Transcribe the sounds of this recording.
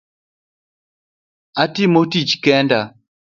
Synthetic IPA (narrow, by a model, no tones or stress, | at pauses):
atɪmotit͡ʃkɛnda